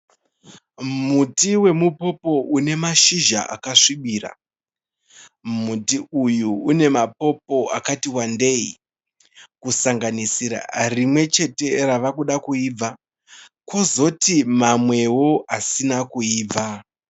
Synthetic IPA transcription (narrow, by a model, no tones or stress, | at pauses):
mutiwe̞mupo̞po̞ʔune̞maʃiʒa̰ʔa̰kaʂiɓiːra̰ | mutiujuune̞mapo̞p̚o̞a̰katiwande̞i | kusaŋɡanisiɾa̰rimwe̞t͡ʃe̞te̞raʋakuɗakuiːb͡va | kwo̞zo̞timamwe̞wo̞asinakuiːb͡vʱa